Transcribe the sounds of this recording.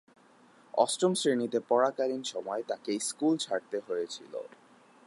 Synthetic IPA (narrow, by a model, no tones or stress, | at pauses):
ɔ̰sʈomsɾinit̪epɔɾakaɾinʃɔmɔet̪akeskult͡ɕʰaɽ̚t̪eɦojet͡ɕʰḭlo̰